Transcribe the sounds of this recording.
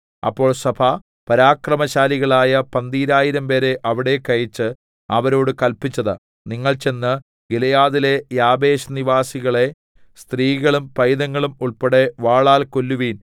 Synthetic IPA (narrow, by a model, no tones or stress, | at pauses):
ɐ̰pːo̞ːɭsɐbʱɐ | pɐɾaːkrɐmɐɕaːliɣɐɭaːjɐpɐnd̪iːɾaːjiɾɐmpe̞ːɾe̞ʔɐʋiɽe̞kɐjit͡ɕːɨ | ɐʋɐɾo̞ːɽɨkɐlpit͡ɕːɐðɨ | niŋːɐɭt͡ɕe̞nːɨ | ɡilɐjaːðile̞jaːbe̞ːɕniʋaːsiɣɐɭe̞ | st̪riːɣɐɭumpɐjðɐŋːɐɭumuɭpeɽe̞ʋaːɭaːlkolːuʋiːn